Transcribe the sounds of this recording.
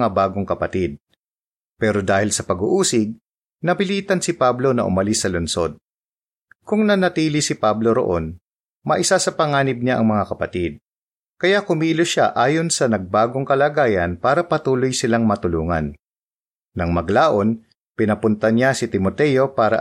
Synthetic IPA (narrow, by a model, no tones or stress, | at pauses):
abaːɡoŋkɐpɐt̪id̪̚ | pɛːɾo̞d̪aːhɪlsɐpɐɡʊʔuːsɪɡ̚ | nɐpɪliːt̪ɐnsɪpablo̞nɐ̰ʔʊ̰mɐlɪsːɐlʊnso̞d̪̚ | kʊŋnɐnɐt̪iːlɪsɪpablo̞ɾo̰ʔo̞̰n | mɐʔɪsasɐpɐŋaːnɪb̚ɲaʔɐ̰ŋmɐŋakɐpɐt̪id̪̚ | kɐjakʊmiːloʃaʔaːjo̞nsɐnɐɡ̚baːɡoŋkɐlaːɡaːjɐnpaːɾɐpɐt̪uːlojsɪlaŋmɐt̪ʊluːŋɐ̰nː | ɐŋmɐɡlaːʔo̞n | pɪnɐpʊnt̪ɐnjasɪt̪ɪmot̪ɛjo̞paːɾɐ̰